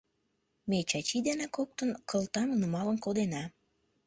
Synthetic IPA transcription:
met͡ɕɑt͡ɕid̪enɑkok̚t̪ənkəlt̪ɑmnumɑlənkod̪enɑ

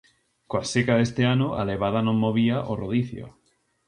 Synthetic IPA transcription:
koasekaðest̪eanoʔa̰leβ̞aðanõmmoβ̞iaʔoroðiθjo̰

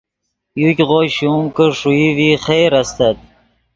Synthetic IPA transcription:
jukʲʁoɕumkəʂuiviχejɾast̪at̪̚

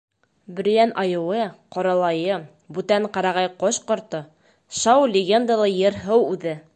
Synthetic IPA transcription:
bɘ̆ɾ̆jænʔɑjɤ̆wɤqɒɾɑlˠɑjɤ | bʉt̪æɴqɑɾɑʁɑjqoɕqŏɾt̪ɤ | ʃɑwlʲɪɡʲend̪alˠɤjɤ̆ɾɦɤwʉðɘ

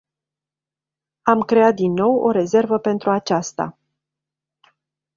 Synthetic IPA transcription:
amkɾe̞at̪̚d̪inːo̞wo̞̰ɾe̞ze̞rvəpe̞nt̪ɾuat͡ʃast̪a̰

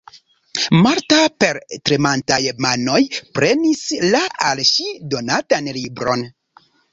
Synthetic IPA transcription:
maɾtape̞ɾtɾemantajmano̞jpɾe̞nislaalʃido̞natanlibɾo̞̰n

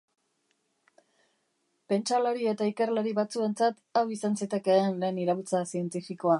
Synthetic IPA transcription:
pe̞nt͡ʃalaɾie̞t̪aike̞rlaɾiβat͡sue̞nt͡sat̪awisansit̪e̞ke̞anleniɾaβut͡sasie̞nt̪ifiko̞a

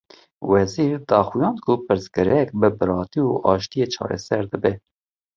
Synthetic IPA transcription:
wɛziːɾd̪ɑːxujɑːnkʰupɨɾzɡɨɾɛk̚bɨbɨɾɑːt̪iuʔɑːʃt̪ijeːt͡ʃʰɑ̰ːɾɛ̰sɛɾd̪əbɛ

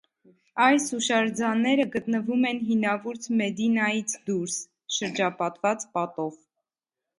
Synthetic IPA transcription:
ɑjsuʃɑɾd͡zɑnːɛɾəɡət̪nəvumɛnɦinɑvuɾt͡sʰmɛd̪inɑjit͡sʰd̪uɾs | ʃəɾd͡ʒɑpɑt̪vɑt͡spɑt̪ɔv

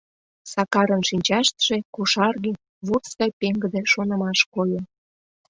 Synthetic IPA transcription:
sɑkɑɾənʃinʲt͡ɕɑʃt̪ʒekuʃɑrɣe | βut̪st̪ɑjpeŋɡəd̪ĕʃonə̆mɑʃkojən

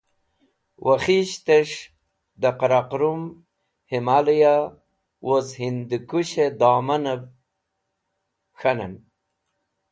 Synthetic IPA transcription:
wʔaχiɕt̪eʂ | d̪aqɾaqɾum | himalija | wʔozhind̪ikuɕed̪aːmɐnɐv | xana̰n

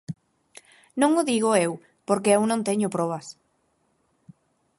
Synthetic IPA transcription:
nõŋʊðiɣ̞oew | poɾkeewnõnt̪eɲʊpɾɔβ̞as

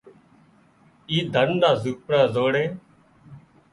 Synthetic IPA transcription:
iːd̪ʱənɖaːzuːkpɾaːzoːɽẽː

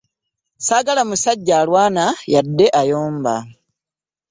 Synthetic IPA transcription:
saːɡalamusaɟːaːlwaːnajadːe̞ʔajoːmba̰

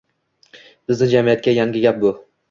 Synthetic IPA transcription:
b̥ɪznɪd͡ʒamijat̪̚kʲajaŋɡʲɪɡʲap̚bʊ

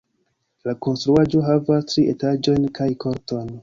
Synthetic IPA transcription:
lako̞nstɾuad͡ʒo̞ɦavastɾiʔe̞tad͡ʒo̞jnkʰajkʰo̞ɾto̞jn

